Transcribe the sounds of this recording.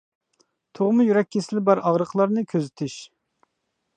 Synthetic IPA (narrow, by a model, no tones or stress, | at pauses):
t̪ʰoʁmʊjyɾɛkʲːʰesɪlɪbɑɾɑʁɾəqʰlˠɑɾnɨkʲʰøzɪt̪ʰɪʃ